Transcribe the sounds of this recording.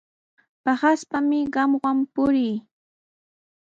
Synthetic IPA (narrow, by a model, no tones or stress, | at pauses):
pɑχaspamɪɢɑmwampʊɾɪj